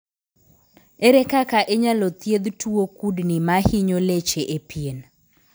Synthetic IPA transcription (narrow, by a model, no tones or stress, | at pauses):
eɾɛkakaʔeɲalɔt̪jed̪tʰuokudnimahiɲolet͡ʃeʔepjen